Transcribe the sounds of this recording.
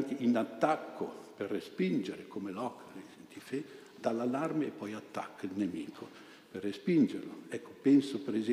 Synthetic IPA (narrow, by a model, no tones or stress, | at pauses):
ŋkeʔinat̪ːakːoperːespind͡ʒeɾekomelɔkːent̪ife | d̪alːalarmeːpːɔjat̪ːakʰːilnemiːkʰo | perːespind͡ʒeɾloɛkʰːo̥pɛnsopɾez